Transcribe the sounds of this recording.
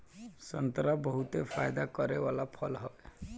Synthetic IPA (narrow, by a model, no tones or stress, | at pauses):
sɔnt̪ɾabɔɦut̪epʰajd̪akɔɾewalapʰɔlɦɔe